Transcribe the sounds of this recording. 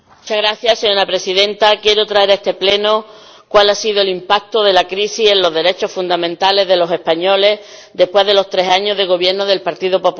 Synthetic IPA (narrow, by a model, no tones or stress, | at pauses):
mmut͡ʃaɣɾaθjaseɲo̞ɾapɾe̞siðe̞nt̪akje̞ɾot̪ɾaeɾe̞st̪e̞ple̞no | kwalasiðoelimpak̚t̪oð̞e̞lakɾisise̞nlo̞ɦðe̞ɾe̞t͡ʃo̞hfund̪amẽnt̪ale̞ɦðe̞lo̞se̞hpaɲo̞le̞hd̪e̞hpwe̞ɦðe̞lo̞st̪ɾe̞saɲoɦðe̞ɣo̞βje̞ɾnoðe̞lpaɾt̪iðopo̞pu